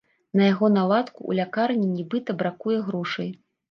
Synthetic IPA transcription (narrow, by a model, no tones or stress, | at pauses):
nɐjaɣɔnalˠat̪kṵʔːlʲakarnʲinʲibɨt̪ɐbɾakujɛɣɾɔʂɐj